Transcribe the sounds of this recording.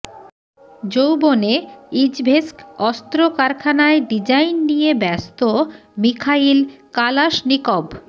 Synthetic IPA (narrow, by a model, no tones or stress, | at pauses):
d͡ʑowboneid͡ʑbʱeskɔst̪ɾokaɾkʰanaeɖid͡ʑainːijebɛst̪o | mikʰailkalaʃnikob